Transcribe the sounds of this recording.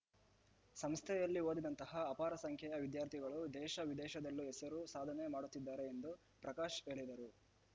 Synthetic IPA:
sɐmst̪ʰɛjɐlːio̞ːd̪id̪ɐnt̪ɐɦɐːpaːɾɐsɐŋkʰɛjɐʋid̪jaːɾt̪ʰiɡɐɭud̪ɛːʃɐʋid̪ɛːʃɐd̪ɐlːuɦɛsɐɾusaːd̪ʱɐne̞maːɽut̪ːid̪ːaːɾe̞end̪u | pɾɐkaːʃe̞ːɭid̪ɐɾu

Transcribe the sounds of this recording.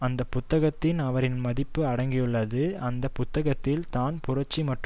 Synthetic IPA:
ɐnd̪ɐpʊt̪ːɐɣɐt̪ːɪnɐʋɐɾɪnmɐðɪpːɯɐɽɐŋɡɪjɯɭːɐðɯɐnd̪ɐpʊt̪ːɐɣɐt̪ːɪlt̪aːnpʊɾɐt͡ʃːimɐʈr

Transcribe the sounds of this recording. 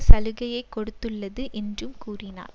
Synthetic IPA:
sɐlɯɣɐjɐɪkːɔɽɯt̪ːɯɭːɐðɯʔɛndrɯmkuːrɪna̰ːɾ

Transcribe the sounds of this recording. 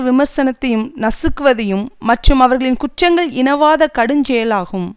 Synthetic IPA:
ʋɪmɐɾsɐnɐt̪ːɐjɯmnɐsɯkːɯʋɐðɐjɯmːɐʈrɯmɐʋɐɾɣɐɭɪnkʊʈrɐŋɡɐɭɪnɐʋaːðɐkɐɽɯɲd͡ʒɛjɐlaːɣɯm

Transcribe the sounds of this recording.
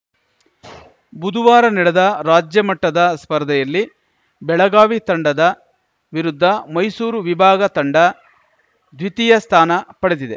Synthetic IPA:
bud̪ʱuʋaːɾɐnɛɽɛd̪ɐɾaːd͡ʒjɐmɐʈːɐd̪ɐspɐɾd̪ʱɛjɐlːi | bɛɭɐɡaːʋit̪ɐɳɖɐd̪ɐ | ʋiɾud̪ʱːɐmɐjsuːɾuʋibʱaːɡɐt̪ɐɳɖɐ | d̪ʋit̪ijɐst̪ʰaːnɐpɐɽed̪id̪e

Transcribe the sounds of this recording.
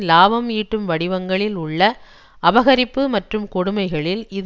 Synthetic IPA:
laːʋɐmiːʈːɯmʋɐɽɪʋɐŋɡɐɭɪlʊɭːɐ | ɐʋɐɣɐɾɪpːɯmɐʈrɯmkɔɽʊmɐɪɣɐɭɪlɪð

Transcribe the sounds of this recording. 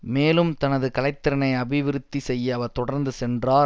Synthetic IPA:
meːlɯmt̪ɐnɐðɯkɐlɐɪt̪ːɪɾɐnɐɪɐbɪʋɪɾɯt̪ːisɛjːɐɐʋɐɾt̪ɔɽɐɾnd̪ɯsɛndraː

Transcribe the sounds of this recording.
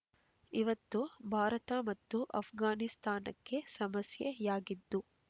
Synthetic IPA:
iʋɐt̪ːubʱaːɾɐt̪ɐmɐt̪ːuʔɐ̰pʰɡaːnist̪aːnɐ̰kːe̞sɐmɐsjejaːɡid̪ːu

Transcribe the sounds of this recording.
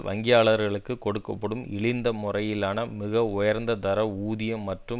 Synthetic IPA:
ʋʔɐ̰ŋɡɪjaːɭɐɾɣɐɭɯkːɯkɔɽɯkːɐpːɐɽɯmɪ̰ɭɪnd̪ɐmʊrɐjɪlaːnɐmɪɣɐʊjɐɾnd̪ɐd̪ɐɾɐuːðɪjɐmːɐʈrɯ

